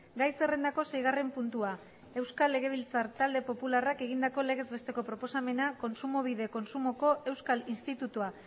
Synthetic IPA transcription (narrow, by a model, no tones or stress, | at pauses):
ɡajse̞re̞nd̪ako̞se̞jɣ̞are̞mpunt̪ua | e̞wskalːe̞ɣ̞e̞β̞ilt͡saɾt̪ald̪e̞po̞pularake̞ɣ̞ind̪ako̞le̞ɣe̞zβe̞st̪e̞ko̞pɾopo̞same̞nako̞nsumo̞β̞iðe̞ko̞nsumo̞ko̞e̞wskalinst̪it̪ut̪ua